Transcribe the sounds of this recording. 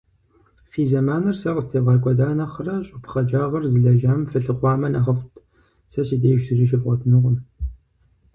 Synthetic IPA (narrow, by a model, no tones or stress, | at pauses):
fiːzɐmaːnɐrsɐʁəstʰevʁɑkʷʼɔdaːnɐχərɐɕʼɪpʰχɐd͡ʒaːʁɐrzɨɮɐʒaːmfɨɬɨqʷɑːmɐnɐʁɐftʰʼ | sɐsideːjʃtʰɨriʃ̬ɪfqʷʼɔtʰnɨʁʷʊm